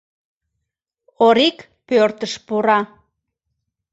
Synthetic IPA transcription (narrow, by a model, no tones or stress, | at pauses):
oɾik | pørt̪əʃpuɾɑ